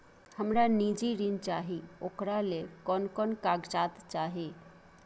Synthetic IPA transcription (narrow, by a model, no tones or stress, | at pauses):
həmɾanid͡ʒiɾint͡ʃaːɦioːkɾalekɔnkɔnkaɡt͡ʃaːt̪t͡ʃaːɦe